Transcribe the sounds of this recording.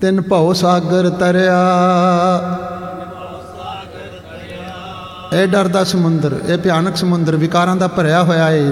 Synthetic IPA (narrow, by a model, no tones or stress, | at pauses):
t̪ɪnpəoːsaːɡəɾt̪əɾjaː | eːɖəɾd̪aːsəmʊnd̪əɾeːpɪjaːnəksəmʊnd̪əɾʋɪkaːɾãːd̪aːpəɾjaːɦojaːeː